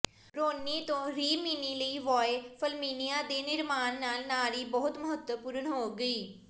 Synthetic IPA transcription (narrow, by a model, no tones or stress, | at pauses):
ɾoːnːiːt̪õːɾiːmiːniːləiːʋɔːepʰəlmiːnɪijaːd̪eːnɪɾmaːnːaːlnaːliːbɔːʊt̪məɦət̪wəpuːɾəɳɦoːɡəiː